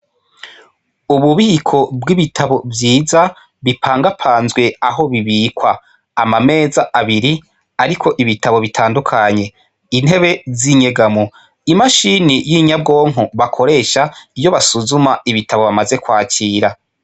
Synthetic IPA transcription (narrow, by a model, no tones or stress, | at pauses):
uβuβihikʰo̞bɡiβitʰaβo̞vjiːza | βipʰaːŋɡapʰaːnzɡwe̞aɦo̞βiβikwaː | mame̞ːzaʔaβiɾi | aɾikʰo̞ʔiβitaβo̞βitʰaːndukʰaɲe̞ | in̥he̞βe̞ziɲeɡamo | imaʃinijiɲab̚ɡo̞ːŋ̥ɦoβakʰo̞ɾe̞ːʃaijo̞βasuzumaiβitaβo̞βamaze̞kwaːciːɾa